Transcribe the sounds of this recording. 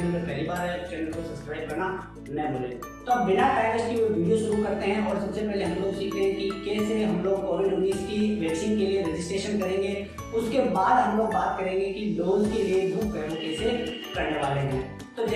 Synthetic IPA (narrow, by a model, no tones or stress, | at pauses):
ẽlokɐːlibaːɾɦɛʈɛnkosɐpskɾaːɪb̚kɐɾna | nɐboːlḛ̃ː | t̪oɐbːɪnaʈɾaːɪʋəskiʋoʋiːɖijoʃʊɾukɐɾt̪eɦɛ̃ʔɔːɾsɐbsepɛɦleɦɐmloːɡsiːkʰt̪ẽɦɛ̃kikeːseɦɐmloːɡ̚koːʋɪɖʊniːzkiʋɛːksiːnkelieɾɪd͡ʒɪsʈɾeːʃənkɐɾẽːŋɡe | ʊskebaːd̪ɦɐ̃mloːɡ̚baːt̪kɐɾẽːŋɡekiloːzkeliebʱuːkkɛːɾokeːse | kɐ̃ɳɖʋaːlẽːɡɛ̃ː | t̪oːd͡ʒ